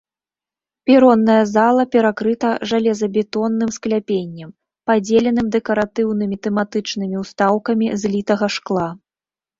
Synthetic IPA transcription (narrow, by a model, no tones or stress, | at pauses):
pʲiɾɔnːɐjɐzalˠɐpʲɛɾakɾɨt̪ɐʐalʲɛzɐbʲɛt̪ɔnːɨmsklʲapʲenʲːɐm | pad͡zʲelʲɛnɨmd̪ɛkɐɾat̪ɨwnɨmʲit̪ɛmat̪ɨt͡ʂnɨmʲiwst̪awkɐmʲizlʲit̪ɐɣɐʂklˠa